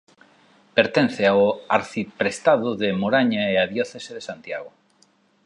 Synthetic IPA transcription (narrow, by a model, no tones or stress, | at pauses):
peɾt̪ẽn̟θeaoaɾθipɾest̪aðʊðemoɾaɲaeaðjoθeseðesant̪jaɣ̞o